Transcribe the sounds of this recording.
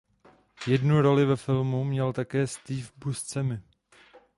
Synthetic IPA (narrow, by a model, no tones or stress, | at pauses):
jɛdnuɾo̞lɪvɛfɪlmumɲɛlt̪akɛːst̪iːfbust͡sɛmɪ